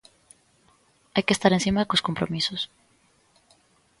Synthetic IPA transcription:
ajkest̪aɾensimaðekosko̞mpɾomisos

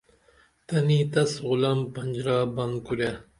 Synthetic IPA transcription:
t̪ɐniːt̪ɐsʁʊlɐmpɐnd͡ʒɾɑːbɐnkuɾa

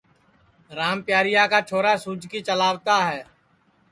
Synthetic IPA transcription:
ɾaːmpɪjaːɾɪjaːkaːt͡ʃʰoːɾaːsuːd͡ʒkiːt͡ʃəlaːʋt̪aːɦɛː

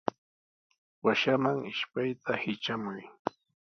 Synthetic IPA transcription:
waʃamaŋɪʃpajt̪ʰahɪt͡ʃamʊj

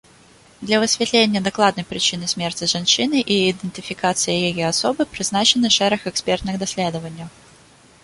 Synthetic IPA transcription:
d̪lʲɐvəsʲvʲɪt̪lʲenʲɪjəd̪ɐklˠad̪nəjpɾʲɪt͡ɕinɨsʲmʲe̞rtʲɪʐɨnɕinɨʔiɪd̪ɨnʲtʲɪfʲɪkat̪sɨjɪjɪjoɐsobɨpɾʲɪznat͡ɕɪnɨʂɛɾəxɛkspʲert̪nɨxd̪ɐsʲlʲe̞d̪əvənʲɪjʊ

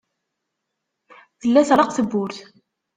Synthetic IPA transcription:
θəlːæθəɾɑqθəbːʊɾθ

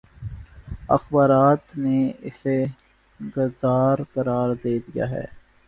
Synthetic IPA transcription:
ɐ̰xbaːɾaːt̪neɪ̰se | ɡʊɾd̪aːɾkɐɾaːɾd̪eːd̪ija̰ːɦɛ̰ː

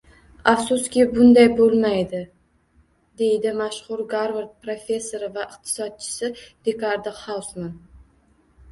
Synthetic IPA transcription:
afsʊskʲɪbʊnd̪ajbolˠmajd̪ɪ | d̪e̞jd̪ɪmaʃχʊɾɡaɾvaɾt̪̚pɾofʲe̞sːo̞ɾɪvaɪq̚t̪ʰɪ̥sɒd̪̚t͡ʃʰɪ̥sɪd̪̥ekʰaɾd̪ɪχawsman

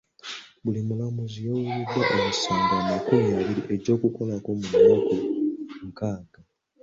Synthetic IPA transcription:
bulimulamuzijowulidːwaʔomusoːŋɡamakumieːβiɾiʔe̞ɟo̞ːkuko̞lako̞munːokuŋkaːɡ̥a

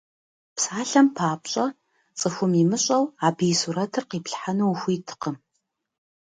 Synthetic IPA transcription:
psaːɬɐmpʰaːpɕʼɐ | t͡sʼɨxʷʊmimɨɕʼɐwaːbijsuɾɐtʰɨrqiːpɬħanuwxʷiːtʰɨ̥qəm

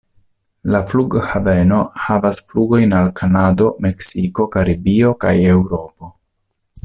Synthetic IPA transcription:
lafluɡhave̞no̞havasfluɡo̞jnalkʰanado̞me̞ksiko̞kaɾibio̞ka̰je̞wɾo̞po̞

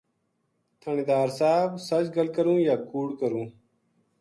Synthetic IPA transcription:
t̪ʰəɳid̪aːɾsaːbsɐd͡ʑɡəlkəɾũːjaːkuːɽkəɾũː

